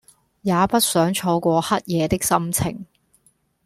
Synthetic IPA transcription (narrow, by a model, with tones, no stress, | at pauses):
jaː˨˧˦pɐ˥t̚sœː˨˥ŋt͡ʃʰɔː˧kʷɔː˧hɐ˥t̚jɛː˨˧t̪ɪ˥k̚sɐ˥mt͡sʰɪ̰˨˩ŋ